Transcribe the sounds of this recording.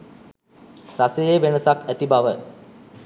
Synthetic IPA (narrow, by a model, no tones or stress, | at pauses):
rasəjeʋenəsakæt̪ibaʋə